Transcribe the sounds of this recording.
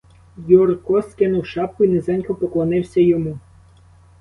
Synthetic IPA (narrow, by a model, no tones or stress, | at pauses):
jurkɔskɪnʊwʃɑp̚kʊinɪzɛnʲkɔpɔklˠɔnɪwsʲɐjɔmu